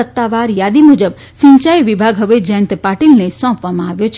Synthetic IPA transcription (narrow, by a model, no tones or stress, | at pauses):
ət̪ːaʋaɾjad̪imud͡ʒəb | ʃĩɲt͡ʃajʋibʱaɡɦəʋed͡ʒənt̪paʈilnesɔ̃pʋamãaʋjot͡ʃʰ